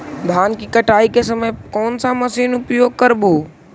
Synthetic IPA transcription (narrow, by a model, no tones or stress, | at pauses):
d̪ʱaːnkikəʈaːikesɐmekɔːnsãmɐsiːnʊpjoːɡ̚kəɾbuː